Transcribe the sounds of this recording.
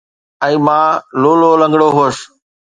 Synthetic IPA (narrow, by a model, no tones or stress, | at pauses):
ɛ̃ːmãːloːloːlə̃ŋɡɽoːɦoːs